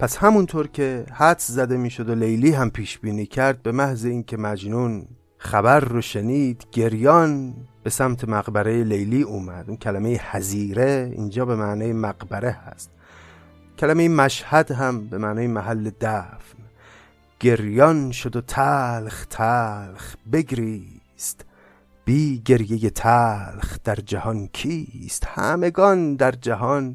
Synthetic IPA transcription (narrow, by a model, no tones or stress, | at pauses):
pʰæshæmunt̪ʰoːɾcʰe̞hæt̪szæd̪e̞miːʃod̪olejliːɦæmpʰiːʃb̥iːniːcʰæɾd̪̚be̞mæhzeiːnkʰe̞mæd͡ʒnuːn | χæbæɾːoʃeniːd̪̥ɟe̞ɾjɒːnb̥e̞sæmt̪ʰe̞mæɣbæɾejelejliːuːmæd̪̥unkʰælæmejehæziːɾeḭːnd͡ʒɒːbe̞mæːnɒːjemæɡbæɾe̞hæ̰st̪ | cʲʰælæmejemæʃhæd̪ɦæmbe̞mæːnɒːjemæɦælːed̪æfn | ɡ̥e̞ɾjɒːnʃod̪ot̪ʰælxt̪ʰælχbe̞ɡɾiː | st̪ | b̥iːɟe̞ɾjejet̪ʰælxd̪̥æɾd͡ʒæhɒnkʰiːst̪hæ̰me̞ɡɒːnd̪æɾd͡ʒæɦɒːn